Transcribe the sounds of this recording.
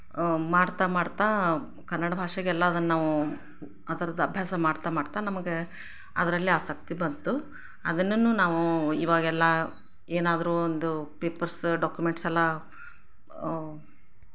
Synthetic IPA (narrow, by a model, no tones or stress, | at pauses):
maːɽt̪amaːɽt̪a | kɐnːɐɽɐbʱaːʂɐɡɛlːɐɐd̪ɐnːɐnaːʋu | ɐd̪ɐɾɐd̪ɐbʱjaːsɐmaːɽt̪amaːɽt̪aːnɐmɐɡe | ɐd̪ɐɾɐlːiaːsɐk̚t̪ibɐnt̪u | ɐd̪ɐnːɐnːuːnaːʋuḭːʋaːɡɛlːɐ | eːnaːd̪ɐɾuːond̪upeːpɐɾsɖaːkjumeɳʈsɛlːɐ